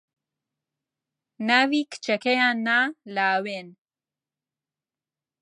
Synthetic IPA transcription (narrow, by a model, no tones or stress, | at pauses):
navikʰɨ̥t͡ʃɐkejaːnːalaweːn